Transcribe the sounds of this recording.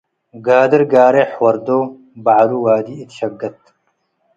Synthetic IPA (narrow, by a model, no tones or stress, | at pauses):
ɡaːd̪ɐɾɡaːɾeħwɐɾd̪oː | baʕɾuːwaːd̪iit̪ɕɐɡːɐt̪